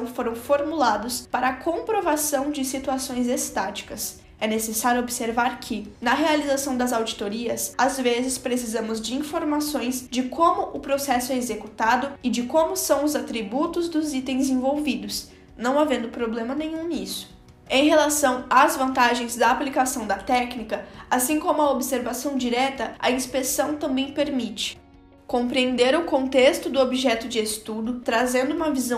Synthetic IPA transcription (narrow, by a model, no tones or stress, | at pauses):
w̃foɾɐ̃w̃foɾmulad̪ʊspaɾɐːkõpɾovasɐ̃w̃d͡ʒɪsit̪uasõj̃zest̪at͡ʃi̥kɐs | ɛnesesaɾjʊobɪseɾvaɾkʰɪnɐɦealizasɐ̃w̃d̪ɐzawd͡ʒit̪oɾiɐsazvezɪspɾesizɐ̃mʊzd͡ʒɪĩfoɾmasõj̃zd͡ʒɪkʰõmʊʔʊpɾosɛsʊɛezekut̪ad̪ʊɪd͡ʒɪkõmʊsɐ̃w̃ʊzat̪ɾibut̪ʊzd̪ʊzit̪ẽj̃zĩvowvid̪ʊs | nɐ̃w̃avẽnd̪ʊpɾoblẽmɐnẽjɲ̃ũnisʊ̥ | ẽj̃ɦelasɐ̃w̃azvɐ̃nt̪aʒẽj̃zd̪ɐaːplikasɐ̃w̃d̪ɐt̪ɛknikɐasĩkõmʊɐobseɾvasɐ̃w̃d͡ʒiɾɛt̪ɐɐĩspesɐ̃w̃t̪ɐ̃mbẽj̃peɾmit͡ʃɪ̥ | kõpɾiẽnd̪eɾʊkõnt̪est̪ʊd̪ʊobiʒɛt̪ʊd͡ʒɪest̪ud̪ʊt̪ɾazẽnd̪ʊumɐvizɐ̃w̃